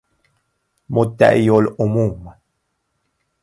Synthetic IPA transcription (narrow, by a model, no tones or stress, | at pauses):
mot̪a̰ʔijolomuːma